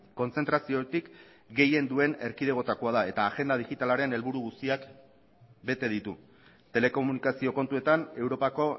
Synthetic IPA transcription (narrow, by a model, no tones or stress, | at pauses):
ko̞nt͡se̞nt̪ɾasio̞t̪ik | ɡe̞je̞nd̪ue̞ne̞ɾkið̞e̞ɣ̞o̞t̪akoaðae̞t̪aːɣe̞nd̪aðiɣit̪alaɾe̞ne̞lβuɾuɣust̪iak | be̞t̪e̞ð̞it̪u | t̪e̞le̞ko̞munikasio̞ko̞nt̪ue̞t̪ane̞wɾo̞pako̞